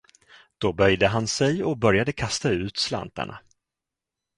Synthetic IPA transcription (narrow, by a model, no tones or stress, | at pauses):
d̪̥ɔbœjd̪əɦansɛjɔbœɾjad̪əkʰast̪aʉ̟ːt̪sla̰nt̪a̰ɳa̰